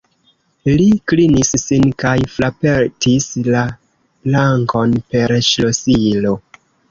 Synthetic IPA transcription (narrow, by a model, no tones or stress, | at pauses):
liklinisːinkajflapeɾtʰisla | laŋko̞npe̞ɾʃlosilo̞